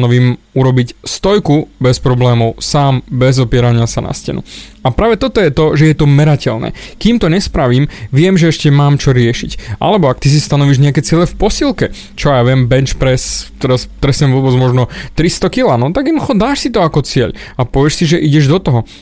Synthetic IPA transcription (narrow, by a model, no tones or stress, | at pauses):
nɔʋiːmuɾɔbicst̪ɔjkubɛspɾɔblɛːmɔʊsaːmbɛzɔpɪɛɾaɲɪasana̰scɛ̰nṵapɾaːʋɛt̪ɔt̪ɔjɛt̪ɔʒɛjɛt̪ɔmɛɾacɛlnɛ̰ːkiːmt̪ɔɲɛspɾaʋiːmʋɪɛmʒɛɛʃcɛmaːmt͡ʃɔɾɪɛʃicʔa̰lɛbɔak̚t̪is̬ist̪anɔʋiːʒɲɛakɛt͡sɪɛlɛfpɔsilˠkɛ | t͡ʃɔjaːʋɪɛmbɛnt͡ʃpɾɛst̪ɛɾast̪ɾɛsɲɛmʋɔːbɛd͡zmɔʒnɔt̪ɾist̪ɔkilaːnɔt̪aɡinxɔd̪aːʃsit̪ɔakɔt͡sɪɛ̰ʎapɔʋjɛʃsiʒɛʔiɟɛʒd̪ɔt̪ɔɦɔ